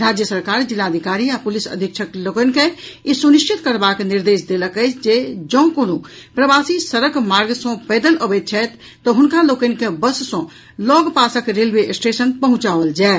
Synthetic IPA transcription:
ɾad͡ʒjəsəɾkaɾd͡ʒilːad̪ʱikaɾiapulisə̰d̪ʱikt͡ʃʰəklokənkẽisuniʃt͡ʃit̪kəɾbakniɾd̪esd̪eləkəɪt͡ʃʰd͡ʒed͡ʒɔ̃kono | pɾəbasisəɾəkmaɾɡsɔ̃pɛd̪ələbət̪̚t͡ʃʰɛt̪ːɔɦunkalokənkẽbəssɔ̃ | lɔɡpasəkɾelʋesʈesənpəɦũt͡ʃaʋəld͡ʒae

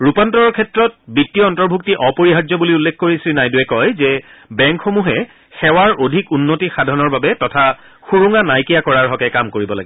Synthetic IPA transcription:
ɹupantɔɹɔɹkʰɛtɹɔt̚bitːiɔːntɔɹbʱuktiʔɔpoɹiɦazɔbuliulːekʰkoɹisilnajduɛkɔjzɛbɛŋkxomuɦɛ | xɛwaɹodʱikunːotixadʱɔnɔɹbabɛtɔtʰa | xuɹuŋanajkijakɔɹaɹɦɔkɛkamkoɹibɔla̰ɡɛ

